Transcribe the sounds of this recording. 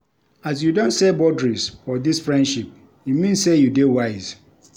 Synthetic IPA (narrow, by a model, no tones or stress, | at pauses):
as̬judõntsɛbɔdɹisfɔdisfɹɛ̃ndʃip̚ | imĩnssejudewaɪz̥